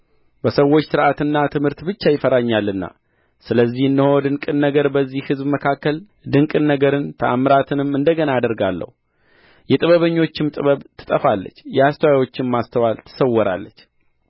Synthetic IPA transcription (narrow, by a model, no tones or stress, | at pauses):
bəsəwːo̞t͡ʃːsɨɾʔat̪ɨnːat̪ʰɨmhɨɾt̪bɨt͡ʃːajɪfəɾaɲːalːɨnːa̰ | sɨləzːihɨndəhod̪ɨŋkʼɨnːəɡəɾbəzːihhɨzbməkʰakːəl | d̪ɨŋkʼɨnːəɡəɾɨnt̪ʰəʔamːɾat̪ʰɨnɨmɨnd̪əɡənaad̪əɾɡalːə̰hu | jɛt̪ʼɨβəβəɲːo̞t͡ʃːɪmt̪ʼɨβəβt̪ʰɨ̥t̪ʼəfalːə̰t͡ʃːjɛhast̪ʰəwajwo̞t͡ʃːɪmmast̪ʰəwalt̪ʰɨ̥səwːɔɾa̰lːət͡ʃː